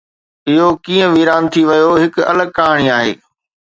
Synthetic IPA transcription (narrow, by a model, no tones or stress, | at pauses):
ɪɦokĩːə̃ʋiːɾaːnt̪ʰiʋɐjoɦɪkɐ̰ləɡ̚kaːɽ̃iaːɦḛː